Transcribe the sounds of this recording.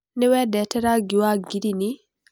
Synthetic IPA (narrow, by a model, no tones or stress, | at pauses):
niwɛdɛtɛɾaɡiwaɡidini